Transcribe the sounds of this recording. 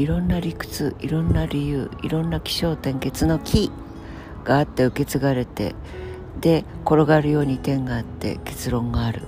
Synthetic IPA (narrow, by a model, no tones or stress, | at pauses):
iɾõ̞nːaɾʲikɯ̟̥t͡sɨiɾõ̞nːaɾʲijɯ̟ːḭɾõ̞nːakʲi̥ɕo̞ːt̪ẽ̞ŋke̞t͡sɨno̞kʲʰi | ɡ̥aːt̪ːe̞ɯ̟ke̞t͡sɨɡaɾe̞t̪e̞̰ | d̪̥e̞ko̞ɾo̞ɡaɾɯ̟jo̞ːɲ̟it̪ẽ̞ŋɡaːt̪ːe̞̰ke̞̥t͡sɨɾõ̞ŋɡaːɾɯ̟̰